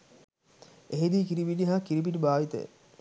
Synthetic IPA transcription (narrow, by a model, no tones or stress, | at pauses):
eɦed̪iːkiɾibiniɦakiɾibinibaːʋit̪ə̰j̰